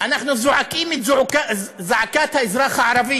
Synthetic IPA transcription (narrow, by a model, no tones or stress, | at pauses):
ʔanaħnuzuʕakiːmizuʕkazaʕakaːt̪haʔɪzɾˤɑːxaʕɑɾˤɑbɪjː